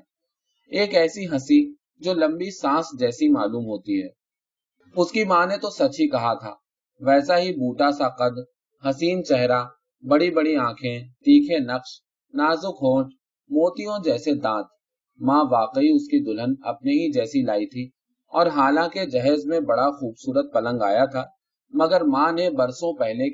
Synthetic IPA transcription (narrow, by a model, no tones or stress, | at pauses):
eːkɛːsiɦɐsi | d͡ʒoːlɐ̃mbisãːsd͡ʒɛːsimaːluːmɦoːt̪iɦɛː | ʊskimaːnet̪osɐtɦikɐɦat̪ʰa̰ː | ʋɛːsaɦibuːʈasaqɐd̪ | ɦɐsiːnt͡ʃɛɦɾa | bɐɽibɐɽiãːkʰẽt̪iːkʰenɐqʃ | naːzʊkɦõːʈ | moːt̪ijõd͡ʒɛːsed̪ãːt̪̚ | mãːʋaːqiʊskid̪ʊlənɐ̰p̚neɦid͡ʒɛːsilaːit̪ʰi | ɔːɾɦaːlãːked͡ʒɐɦɛːzmẽbɐɽaxuːbsuːɾət̪̚pɐlə̃ŋɡa̰ːjat̪ʰaː | mɐɡəɾmãːnebɐɾsõpɛɦle